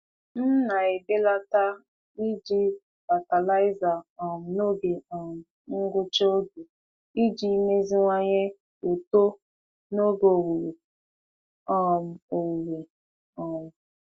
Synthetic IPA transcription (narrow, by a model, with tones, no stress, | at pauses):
n̩˦na˨e˨be˦la˦ta˦ | i˦d͡ʒi˦ | b̥a˨ta˨la˦ɪ˦za˨ɔ˨m̩˨no˦ɡe˨ɔ˨m̩˨ | ŋ̩˦ɡʷʊ˦t͡ʃo˦ɡu˨ | i˦d͡ʒi˦me˦zi˦ŋʷa˦ɲe˦ | o˨to˦ | no˦ɡo˨wu˨ɾe˨ | ɔ˦m̩˨o˨wu˨ɾe˨ | ɔ˨m̩˨